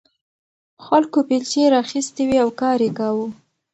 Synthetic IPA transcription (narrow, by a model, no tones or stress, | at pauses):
xalkopilt͡ʃeɾɑxist̪ewiawkɑɾekawu